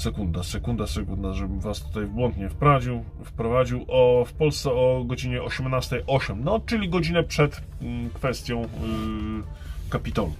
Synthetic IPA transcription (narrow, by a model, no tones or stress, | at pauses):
sɛkund̪asɛkund̪asɛkund̪aʐɛbɘmvast̪u̥t̪ajvbwɔnt̪ɲɛfpɾad͡ʑiw | fpɾɔvad͡ʑiwʔɔfpɔlst̪sɛɔɡɔd͡ʑiɲɛɔɕɛmnast̪ɛjʔɔɕɛmnɔt͡ʂɘlʲiɡɔd͡ʑinɛpʂɛt̪ | kfɛst̪ʲjɔ̃w̃ | kapʲit̪ɔlu